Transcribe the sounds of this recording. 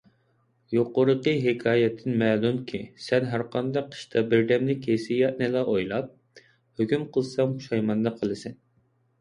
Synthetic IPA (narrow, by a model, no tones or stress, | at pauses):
joqʊɾəqəɦɪkʰɑːjɛt̪ʰːɪnmɛːlunkʲʰisɛnɦæɾqʰɑnd̪ɑq̚qʰːə̥ʃt̪ʰɑbɪɾd̪ɛmlɪkʲʰesijɑʔ̪nɨlˠɑʔojlˠɑp̚ | høkʲymqʰəlˠsɑŋuʃɑjmɑnd̪ɑqʰəlˠɨsɛn